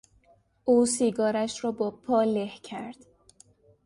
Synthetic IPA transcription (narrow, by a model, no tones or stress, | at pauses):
ʔuːsiːɡɒːɾæʃrɒːbɒːpʰɒːlehcʰæɾd̪̥